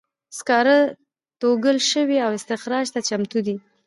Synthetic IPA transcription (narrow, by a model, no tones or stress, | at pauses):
skɑɾa | t̪oɡəlʃəwiawɪst̪ɪxɾɑʒt̪at͡ʃamt̪ud̪i